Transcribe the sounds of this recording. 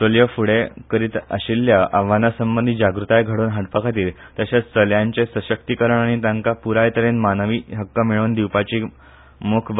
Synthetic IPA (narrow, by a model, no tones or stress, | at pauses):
soljəfuɽekəɾiːt̪ə̰ɕilːjaʔaʋanasəmbənd̪id͡ʑaɡɾut̪ajɡʱəɽuːnɦaʈpəkʰat̪iːlt̪jaɕat͡sst̪əljaɲt͡ɕesəɕək̚t̪ikəɾəɳaɽ̃it̪jaŋkapuɾajt̪əɾenmanəʋiːɦəkːəmeɭuːnd̪iʋpat͡ɕiː | mokʰb